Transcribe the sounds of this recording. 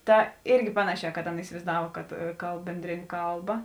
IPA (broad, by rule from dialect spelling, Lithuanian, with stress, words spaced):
ˈtɐ ˈɪrʲɡʲɪ ˈpɑːnɐˌʃʲɛː kɐt ˈɑːˌnɐ ɪsʲɪʋɐɪzˈdɐw kɐt ˈkɐlˠp ˈbʲɛnʲdʲrʲeːˌnʲeː ˈkɐlˠˌbɐ